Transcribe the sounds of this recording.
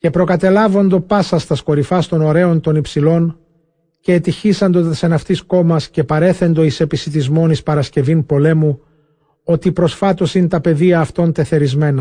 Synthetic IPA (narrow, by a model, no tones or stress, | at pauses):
ce̞pɾo̞kɐt̪e̞lɐvo̞nd̪o̞pɐsɐst̪ɐsko̞ɾifɐst̪o̞no̞ɾe̞o̞nt̪o̞nipsilo̞n | ceːt̪içisɐnd̪o̞t̪isenɐft̪isko̞mɐsce̞pɐɾe̞θe̞nd̪o̞ise̞pisit̪izmo̞nispɐɾɐsce̞vimpo̞le̞mu | o̞t̪ipɾo̞sfɐt̪o̞sint̪ɐpe̞ðiɐːft̪o̞nt̪e̞θe̞ɾizme̞nɐ